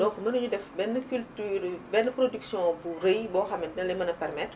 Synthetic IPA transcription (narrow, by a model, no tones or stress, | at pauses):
dɔkmɐnɐɲudɛfbɛnːəkyltyːɾbɛnːəpɾodyksjɔ̃burejbɔːxɐmɛtnɛlɐmɐnɐpɛrmɛt